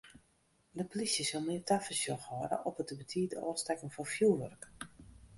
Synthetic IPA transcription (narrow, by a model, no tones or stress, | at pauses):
dəplisjəsolˠmɪːtafəsjɔxhɔɾə̰ʔɔpətəbətʰiːtəɔ̰ːstɛkənfɔfjuːʋø̰rk